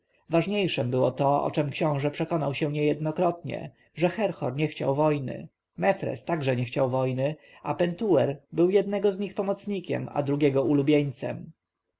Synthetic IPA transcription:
vaʐɲejʂɛmbɘwɔt̪ɔɔ̰t͡ʂɛmkɕɔ̃w̃ʐɛpʂɛkɔnawɕɛ̃ɲɛjɛd̪nɔkɾɔt̪ɲɛ̰ | ʐɛxɛɾxɔ̰ɾɲɛxt͡ɕa̰wvɔjnɘ̰ | mɛfɾɛ̰st̪aɡʐɛɲɛxt͡ɕawvɔjnɘ | apɛnt̪uwɛɾbɘwjɛd̪̚nɛɡɔzɲixpɔmɔt̪sɲikʲɛ̰ma̰d̪ɾuɡʲjɛɡɔulubʲjeɲt̪sɛ̰m

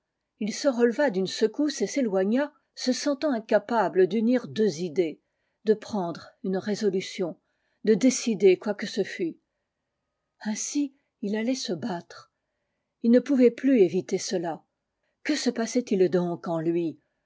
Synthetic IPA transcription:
ilsəʁəlvad̪ynsəkuseselwaɲa | səsɑ̃t̪ɑ̃ɛ̃kapabləd̪yniʁd̪øzid̪e | d̪əpχɑ̃d̪ʁynʁezɔlysjɔ̃ | d̪əd̪esid̪ekwakəsəfy | ɛ̃si | ilalɛsəbat̪χ | ilnəpuvɛplyevit̪esəla | kəsəpasɛt̪ild̪ɔ̃kɑ̃lɥi

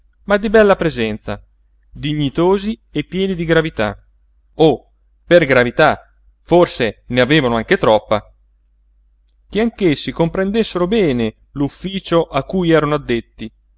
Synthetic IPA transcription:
mad̪ːibɛlːapɾezɛnt̪sa̰ | d̪iɲːit̪oːziepːjɛːnid̪iɡɾavit̪a̰ | o | perɡɾavit̪a | forseneaveːvanoaŋket̪ɾɔpːa | k̟eaŋkesːikompɾend̪esːeɾobɛːne | lufːiːt͡ʃoʔakːujɛːɾanoad̪ːet̪ːi

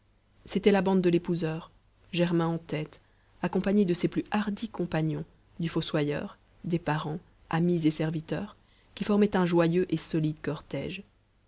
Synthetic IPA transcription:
set̪ɛlabɑ̃d̪̚d̪ːəlepuzœːʁ | ʒɛʁmɛ̃ɑ̃t̪ɛt̪ | akɔ̃paɲed̪əseplyʔaʁd̪ikɔ̃paɲɔ̃ | d̪yfoswajœ̰ːʁ | d̪epaʁɑ̃ | amizesɛʁvit̪œːʁ | kʲifɔʁmɛt̪ɛ̃ʒwajøʔesɔlid̪kɔʁt̪ɛ̰ːʒ

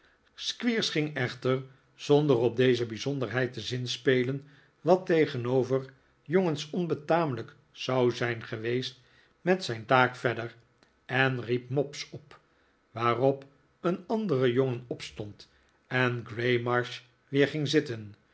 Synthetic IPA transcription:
skʋiːɹsχɪŋɛχtəɹ | z̥ɔndərɔb̚dejzəbizɔndəɹɦɛjtəzɪnspejlən | ʋɑtejχənowvər | joŋənsɔnbətaːmələk | z̥ɑwzɛjnχəʋejst | mɛtsɛjntaːkfɛdər | ɛnrip̚mɔpsɔp | ʋaːrɔp | ənɑndərəjɔŋənɔpstɔnt | ɛnɡrejmɑɹʃ | ʋɪːɹχɪŋzɪtən

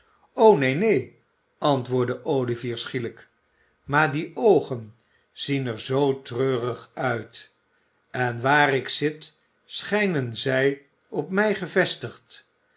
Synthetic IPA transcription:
ownejnej | ʔɑntʋʊːɹdəʔowliviːɹsχilək | maːɹdiʔowχən | z̥inəɹzowtrøːrəχœɥt | ɛnʋaːrɪksɪt | sχɛjnənzɛj | ɔpmɛjχəvɛstəχt

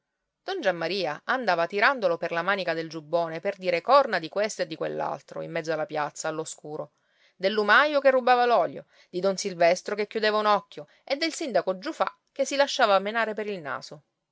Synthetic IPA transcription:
d̪̥ɔnd͡ʒamːaɾiːa̰and̪aːvat̪iɾand̪oloperlamaːnikad̪eld͡ʒubːoːneperd̪iːɾekɔrnad̪ikwest̪oed̪ːikwḛlːa̰lt̪ɾo̰ḭmːɛd̪zːoalːapjat̪saːlːoskuːɾo | d̪elːumajokerːubaːvalɔljo̰ | d̪̥id̪ɔnsilvɛst̪ɾokekːjud̪eːvaunɔkʲːjo | ed̪ːelsind̪akod͡ʒːufa̰ | k̟ːesilaʃːaːvamenaːɾepeɾilna̰ːso

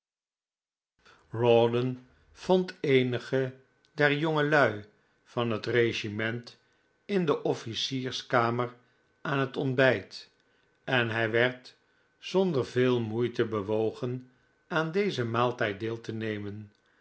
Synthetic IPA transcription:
rɔdən | v̥ɔntejnəχə | dɛɹjoŋəlœɥ | v̥ɑnɦətreʒimɛnt | ɪndəʔɔfisiːɹskaːmər | ʔaːnɦətɔnbɛjt | ɛnɦɛjʋɛɹt | sɔndəɹveːlˠmujtəbəʋowχən | aːndejzəmaːlˠtɛjt̚dɪːlˠtənejmən

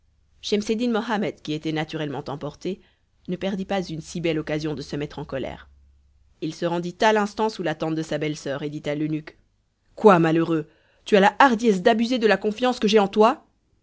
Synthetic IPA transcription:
ʃɛmsed̪inmɔɦamɛd̪kʲiet̪ɛnat̪yʁɛlmɑ̃t̪ɑ̃pɔʁt̪e | nəpɛʁd̪ipazynsibɛlɔkazjɔ̃d̪əsəmɛt̪χɑ̃kɔlɛ̰ːʁ | ilsəʁɑ̃d̪it̪alɛ̃st̪ɑ̃sulat̪ɑ̃t̪̚d̪əsabɛlsœːʁed̪it̪alynyk | kwamaløʁø | t̪yalaʔaʁd̪jɛs̬d̪abyzed̪əlakɔ̃fjɑ̃skəʒɛɑ̃t̪wa

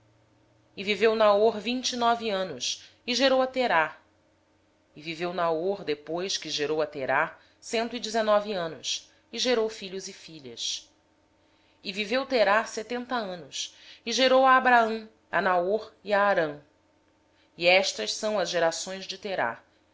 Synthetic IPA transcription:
ɪvivewnaoɾvĩnt͡ʃinɔviɐ̃nʊs | ɪʒeɾowɐt̪eɾa | ɪvivewnaoɾd̪epojskɪʒeɾowɐt̪eɾa | sẽnt̪ʊid͡ʒɪzenɔviɐ̃nʊs | ɪʒeɾowfiʎʊzɪfiʎɐ̰s | ɪvivewt̪eɾaset̪ẽnt̪ɐɐ̃nʊs | ɪʒeɾowaːbɾaɐ̃w̃ | ɐ̰naoɾiaːɾɐ̃ | iɛʃt̪ɐʃsɐ̃w̃ɐzʒeɾasõj̃zd͡ʒɪt̪eɾa̰

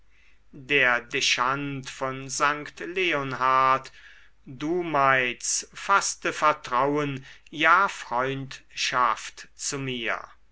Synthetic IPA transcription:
deːɐdeʃantfɔnzaŋktleonɦat | d̥uːmaɪt͡sfastəfɛɐtʁ̥awənjaːfʁ̥ɔʏntʃaftt͡sumiːɐ

